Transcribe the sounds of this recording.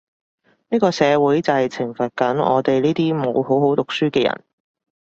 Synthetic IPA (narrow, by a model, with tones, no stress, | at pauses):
niː˥kɔː˧sɛː˨˧wuː˨˥jt͡sɐ˨hɐ˨jt͡sʰɪ˨˩ŋfɐ˨t̚kɐ˨˥nɔ̰ː˨˧t̪e˨jliː˥t̪iː˥mo˨˧wɦo˨˥wɦo˨˥wt̪ʊ˨k̚syː˥kɛː˧jɐ̰˨˩n